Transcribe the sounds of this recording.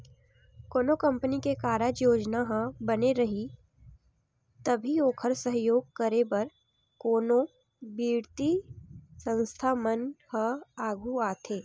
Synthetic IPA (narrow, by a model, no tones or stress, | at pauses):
koːnokɐ̃mpənikekaːɾəjoːd͡ʒnaɦãbɐneɾɐɦi | t̪ɐbʱioːkʰəɾsəɦjoːɡ̚kəɾebɐɾ | koːno | biːɾt̪isə̃nst̪ʰaːmənhəaːɡʱuaːt̪ʰeː